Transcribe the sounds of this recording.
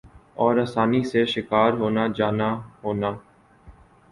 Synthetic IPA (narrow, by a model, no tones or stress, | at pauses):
ɔːɾaːsaːniːseʃɪkaːɾɦoːnaːd͡ʒaːnaːɦoːnaː